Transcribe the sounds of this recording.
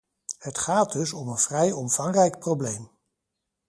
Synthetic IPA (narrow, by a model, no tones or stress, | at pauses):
hətχaːddɵsɔmənv̥rɛjɔmv̥ɑŋrɛjkprowblejm